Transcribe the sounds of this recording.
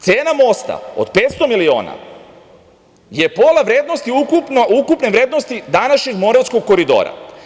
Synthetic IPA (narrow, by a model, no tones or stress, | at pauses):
t̪seːnamo̞st̪a̰o̞̰d̪̥pet̪st̪o̞milio̰ːna̰ | je̞po̞laʋɾed̪nost̪iukupnoukupneʋɾe̞ːd̪nost̪id̪anaʃɲeɡmo̞ɾaʋt̪skoɡ̚ko̞ɾid̪o̞̰ːɾa̰